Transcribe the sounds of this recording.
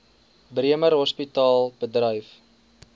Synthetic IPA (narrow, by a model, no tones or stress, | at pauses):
bɾiəməɾɦɔspitɑːlˠbədrœjf